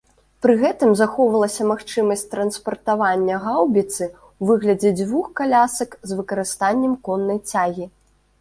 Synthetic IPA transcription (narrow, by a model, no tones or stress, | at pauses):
pɾɨɣɛt̪ɨmzaxɔvɐlˠɐsʲɐmaxt͡ʂɨmɐsʲtʲt̪ɾɐnspɐrt̪avanʲːɐɣawbʲit̪sɨ | wvɨɣlʲɐd͡zʲɛd͡zʲvuxkalʲasɐkzvɨkɐɾɨst̪anʲːɛmkɔnːɐjt͡sʲaɣʲi